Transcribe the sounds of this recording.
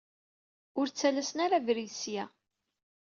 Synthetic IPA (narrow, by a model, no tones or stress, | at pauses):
ʊɾt͡sːælæsənaɾavɾisjæ